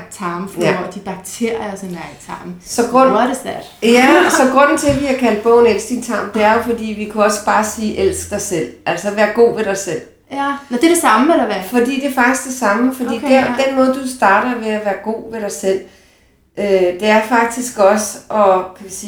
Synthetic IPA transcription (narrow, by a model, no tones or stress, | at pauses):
ɡ̥t͡sʰɑ̈ːmfnɒ̰d̥ib̥ɑ̈ɡ̥̚t͡sʰe̝ɐɒsenḁt͡sʰɑ̈ːmsɒ̽ɡ̥ʁɔ̽n̰desd̥ɛɐd̥jæsɒ̽ɡ̥ʁɔ̽n̰n̩t͡sʰe̝ʋiækʰæld̥̚b̥ɔ̽ʊn̩el̰sɡ̥d̥int͡sʰɑ̈ːmd̥e̝æɐjo̝fɒ̽d̥ḭːʋikʰuɒ̽sb̥ɑ̈ːsiːʔel̰sɡ̥̚d̥ɑɪsel̰ʔæl̰sɒʋæːɐɡ̥o̝̰ːʋe̝ɾ̥ɑ̈ɪsel̰ | nd̥edesɑ̈məedɐæfɒ̽d̥ḭːd̥e̝ɐfɑ̈ɡ̥d̥isɡ̥d̥e̝sɑ̈məfɒ̽dḭːd̥ed̥enmɔ̽ːð̞ˠd̥usd̥ɑ̈ːɾ̥ɐʋe̝æʋæːɐɡ̥o̝̰ːʋe̝ɾ̥ɑ̈ɪsel̰ | ød̥e̝æɐfɑ̈ɡ̥̚d̥isɡ̥ɒ̽səɒ̽kʰæʋisiː